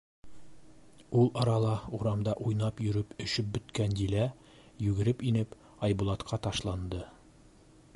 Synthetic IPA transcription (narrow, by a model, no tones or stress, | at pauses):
ulˠɒɾɑlˠɑuɾɑmd̪ɑʔujnɑpjɵ̆ɾɘpɵ̆ʃɵp̚bɵ̆t̪kænd̪ilæ | jʉɡɘ̆ɾɘpinɘp | ɑjbulˠɑt̪qʰɑt̪ɑʃlˠɑnd̪ɤ